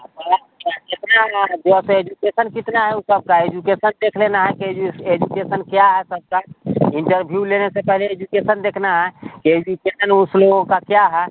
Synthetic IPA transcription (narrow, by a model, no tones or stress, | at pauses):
əɾa | et̪naɦd̪eəsed͡ʒukesənkit̪naɦɛusəb̚kaed͡ʒukesənd̪ekʰlenaɦɛkid͡ʒued͡ʒukesənkjaɦɛsəb̚kaiɳʈəɾbʱjulenesẽpəɦleed͡ʒukesənd̪ekʰnaɦɛked͡ʒukesənuslookakjaɦɛ